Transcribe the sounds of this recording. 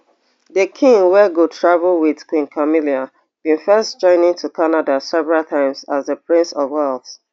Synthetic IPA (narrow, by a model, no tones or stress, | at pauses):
dəkʰĩŋwɛɡotʰɹavl̩wɪðkʰwĩnkʰamiliã | bĩnfɜstd͡ʒɔ̃ɪ̃nɪ̃ŋtʰukʰanadasɛvɹaltʰãɪ̃mzazðəpɹĩnsɔvwɛld